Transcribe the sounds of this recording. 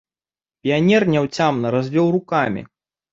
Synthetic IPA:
pʲijanʲɛrnʲawt͡sʲamnɐɾazʲvʲɔwrukamʲḭ

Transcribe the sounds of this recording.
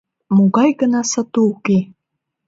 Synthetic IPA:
moɣɑjɣənɑsat̪uːke

